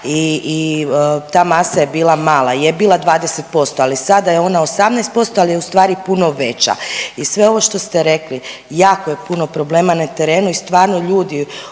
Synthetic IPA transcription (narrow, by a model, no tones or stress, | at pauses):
iː | t̪aːmasajebiːlamaːlˠaijebiːlˠad̪ʋaːd̪ese̞t̪̚po̞st̪oalisad̪ajeo̞naosamnɛjst̪̚po̞st̪oalijeust̪ʋaːɾipuno̞ʋe̞t͡ɕa̰isʋe̞o̞ʋo̞ʃt̪o̞st̪e̞ɾe̞klijaːkoje̞puno̞pɾo̞ble̞ːmanat̪e̞ɾeːnuist̪ʋaːɾnoʎuːd̪i